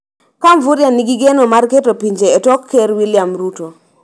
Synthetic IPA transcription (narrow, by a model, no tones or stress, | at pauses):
kamvuɾjaniɡiɡenomarketopiɲd͡ʒeːtɔkʰːeɾwilɪjamɾuto